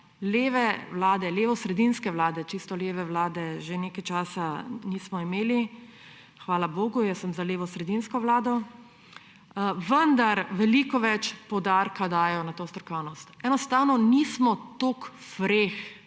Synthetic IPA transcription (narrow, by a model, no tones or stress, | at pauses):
leːʋɛʋlaːd̪ɛleːʋɔsɾɛd̪inskɛʋlaːd̪ɛt͡ʃist̪ɔleːʋɛʋlaːd̪ɛʒeneːkajt͡ʃaːsanismɔimeːli | xʋaːlaboːɡujəsəmzaleːʋɔsɾɛd̪inskɔʋlaːd̪ɔ | ʋənd̪aɾʋɛlikɔʋɛt͡ʃpɔd̪aɾkad̪aːjɔnat̪oːst̪ɾɔkɔwnɔst̪ɛnɔst̪aːwnɔnismɔt̪oːk | fɾex